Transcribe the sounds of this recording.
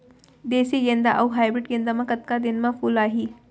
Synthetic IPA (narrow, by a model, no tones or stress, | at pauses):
d̪eːsijend̪aʔɐwɦaːjbɾɪʈɡẽnd̪amãkɐt̪kad̪ɪnmãpʰuːlaːɦiː